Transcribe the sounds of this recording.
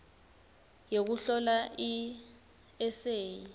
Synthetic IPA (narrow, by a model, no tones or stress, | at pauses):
jek̬uɬɔlai | ɛseːji